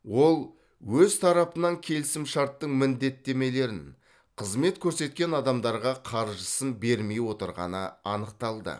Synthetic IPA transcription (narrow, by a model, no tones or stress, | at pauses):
wo̞lˠ | wɵzt̪ʰɑɾɑpənɑŋkʲʰe̞lɪsɪmʃɑɾt̪ːəɴmɪnd̪e̞t̪ːe̞me̞le̞ɾɪn | qʰəzme̞t̪kʲʰɵɾse̞t̪̚kʲe̞nɑd̪ɑmd̪ɑɾʁɑqʰɑɾʒəsənbe̞ɾme̞jwo̞t̪əɾʁɑ̰nəɑnəq̚t̪ɑlˠd̪ə̰